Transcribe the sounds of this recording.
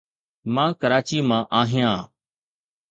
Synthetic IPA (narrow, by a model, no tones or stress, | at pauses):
mãːkəɾaːt͡ʃiːmãːʔaːɦɪjãː